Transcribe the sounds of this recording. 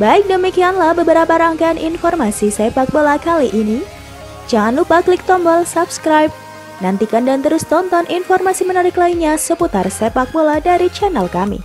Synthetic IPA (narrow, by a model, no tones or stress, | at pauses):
baɪk̚dəmikianlahbəbəɾapaɾaŋkaːnʔinfɔrmasisɛpak̚bolakaliʔini | d͡ʒaŋanlupaklik̚t̪ɔmbɔlsapskɾajp̚ | nant̪ikandant̪əɾʊst̪ɔnt̪ɔnʔinfɔrmasimənaɾɪklaiɲasəput̪arsepak̚boladaɾit͡ʃanɛlkamḭ